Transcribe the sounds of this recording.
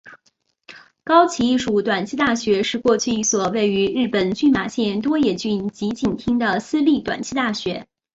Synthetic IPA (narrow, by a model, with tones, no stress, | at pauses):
kɑ˥ʊt͡ɕʰi˧˥i˥˩ʂu˨˩t̪wa˨˩nt͡ɕʰi˥t̪a˥˩ɕɥɛ˧˥ʂɻ̩˥˧kwɔ˥˧t͡ɕʰy˥˧i˥˩swɔ˨˩we˥˩ɪy˧˥ɻɻ̩˥˩pə˨˩nt͡ɕy˥˩nma˨˩ɕjɛ˥˩nt̪wɔ˥jɛ˥˩t͡ɕy˥˩nt͡ɕi˧˥t͡ɕi˨˩nt̪ʰi˥ŋd̪ə˨sɹ̩˥˧li˥˩t̪wa̰˨˩nt͡ɕʰi˥t̪a˥˩ɕɥɛ˧˥